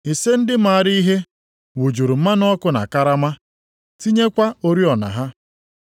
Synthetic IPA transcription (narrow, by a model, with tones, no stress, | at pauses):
i˨se˦n̩˦dɪ˦ma˨a˦˨ɾi˦i˦ɦe˦ | wu˨d͡ʒu˨ɾu˨m̩˦a˦nɔ˦kʊ˦na̰˨ka˦ɾa˦ma˦ | ti˦ɲe˦kʷa˦o˦ɾi˦ɔ˨na̰˨ɦa˦